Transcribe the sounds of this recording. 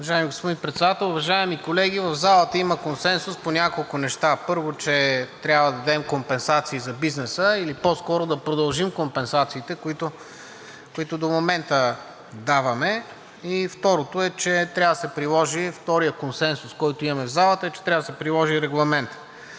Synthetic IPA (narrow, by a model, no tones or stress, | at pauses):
ʊvɐʒaɛmiɡospod̪inpɾɛt̪sɛd̪at̪ɛlˠʊvɐʒaɛmikolɛɡivɐvzalˠət̪əiməkonsɛnsʊsponʲakolˠkʊnɛʃt̪apɤɾvot͡ʃɛt̪ɾʲabvəd̪ɐd̪ɛmkompɛnsat̪siːzɐbiznɛsəilipɔskɔɾod̪ɐpɾod̪ɐlˠʒimkompɛnsat̪siːt̪ɛkoit̪o | kʊit̪ʊd̪omomɛnt̪ə | d̪avɐmɛ | ift̪ɔɾot̪oɛt͡ʃɛt̪ɾʲavəd̪əsɛpɾilˠɔʒift̪ɔɾijəkonsɛnsʊskɔjt̪ʊimɐmɛvzalˠət̪əɛt͡ʃɛ̥t̪ɾʲavəd̪əsɛpɾilˠɔʒiɾɛɡlˠɐmɛnt̪